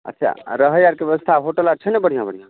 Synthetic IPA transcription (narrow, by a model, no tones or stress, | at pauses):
ə̰tːt͡ʃʰa̰ɾəɦəjaɾkebeʋəst̪ʰaɦoʈəlat͡ʃʰənɛbəɽ̤ijãbəɽ̤ijã